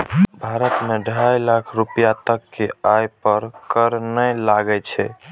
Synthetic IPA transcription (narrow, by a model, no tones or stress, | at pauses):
bʱaɾət̪meɖʱajlakʰɾupijat̪əkːeajpəɾkəɾnɛlaɡɛt͡ʃʰɛ